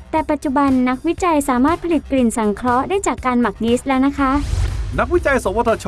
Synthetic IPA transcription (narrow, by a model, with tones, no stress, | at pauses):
t̪ɛː˨˩pa˨˩t̪̚t͡ɕu˨˩ba˧nːa˦˥k̚wi˦˥t͡ɕa˧jsaː˩˦maː˥˩t̪̚pʰa˧li˨˩t̪̚kli˨˩nsa˩˦ŋkʰɾɔ˦˥daː˥˩jt͡ɕaː˨˩kːaː˧nma˨˩k̚niː˦˥s̚lɛː˦˥wna˦˥kʰa˦˥ʔna˦˥k̚wi˦˥t͡ɕa˧jso˩˦ŋwa˧t̪ʰːa˧t͡ɕʰ